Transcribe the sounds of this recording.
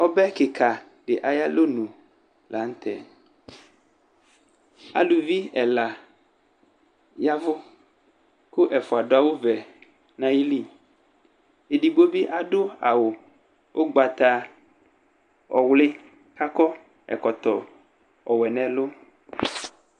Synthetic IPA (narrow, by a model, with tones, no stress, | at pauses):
ɔ˦bɛ˦ke˨kʰa˨ | ɖe˨ʔa˨ja˦lo˦nũ˨ | la˨ŋ̩˦t̪ɛ̰˦˨ | a̰˨lu˨vi˦ɛ˨la˨ | ja˦vʊ˦ | ko˦ʔɛ˨fo˨a˨ɖo˦a˦wo˦vɛ˨ | nã˦ji˦li˦ | e˨di˨ɡ͡bo˦bi˦ʔa˨ɖo˦a˨wo˨ | wʔo˦ɡ͡ba˨t̪a˦ | ɔ˨wle˦ | ka˦kɔ˦ | ɛ̰˨kɔ˨t̪ɔ˨ | ɔ˨wɛ˨nɛ̃˦lo˦